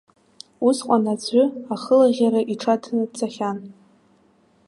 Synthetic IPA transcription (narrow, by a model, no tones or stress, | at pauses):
usqʷʼanad͡zʷʰʼʏaχəlaʁʲaɾaʔiʈ͡ʂʰatʰnɨt͡sʰaχʲan